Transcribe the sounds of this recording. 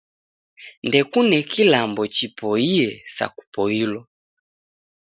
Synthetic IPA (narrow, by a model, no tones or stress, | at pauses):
ndɛkunɛkilambɔt͡ʃipɔiɛsa̰ku̥pɔilɔ